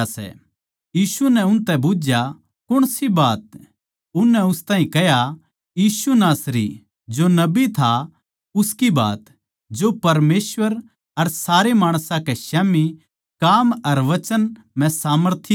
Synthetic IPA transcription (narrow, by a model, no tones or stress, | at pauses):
sɛ̰ | jiːsunɛ̃ʊnt̪ɛbʊd͡ʒja | kʊɽ̃sibaːt̪̚ | ʊnːɛʊst̪aːɦĩkɛja | jiːsunaːsɾḭ | d͡ʒonɐbit̪ʰa | ʊskiba̰ːt̪ | d͡ʒopɐɾmeːsʋəɾ | ɐɾsaːɾemaːɽ̃sãkɛʃaːmi | kaːmɐɾʋɐt͡ʃən | mɛ̃saːməɾt̪ʰi